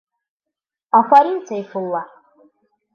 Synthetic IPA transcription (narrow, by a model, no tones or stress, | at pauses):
axʷaɾint͡sʰaifɨlːa